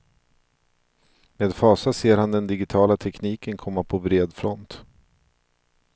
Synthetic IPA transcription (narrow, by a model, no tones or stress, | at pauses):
meːd̪fɑːsaseːɾhand̪ɛnd̪ɪɡɪt̪ʰɑːlat̪ʰɛkniːkənkʰɔmːapʰɔvɾeːd̪fɾɔnt̪